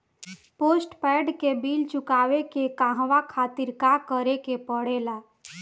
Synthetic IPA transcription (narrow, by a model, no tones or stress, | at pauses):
posʈpɛɖkebilt͡ʃukaʋekekãɦʋakʰat̪iɾkakəɾekepəɽ̤ela